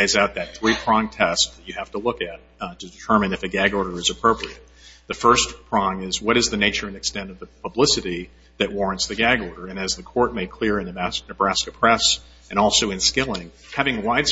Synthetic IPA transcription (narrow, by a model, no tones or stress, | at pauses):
eɪzaʊt̪̚ðɨt̪̚θɹipʰɹ̥ɑ̃ŋtʰɛst̚ðɨt͡ʃɨhæftəlʊkɨt̚tʰɨdɨtʰɜ˞mɨ̃nɨfɨɡæɡɔɹɾə˞ɨzɨpʰɹ̥oʊpɹiɨt̚ðɨfɜ˞spʰɹ̥ɑ̃ŋɪzwʌɾɨzðɨneɪt͡ʃə˞ɨ̃nɨkstɛ̃ntʌvðəpʰəblɪsɨɾi | ðɨʔ̚wɔɹɨ̃ntsðɨɡæɡɔɹɾə˞ɨ̃nɨzðɨkʰɔɹt̚meɪkʰl̥ɪɹɨ̃nnɨbɹæskɨpʰɹ̥ɛs | ɨ̃ñɔlˠsoʊɨ̃nskɪlˠɪ̃ŋ | hævɪ̃ŋwaɪd̥s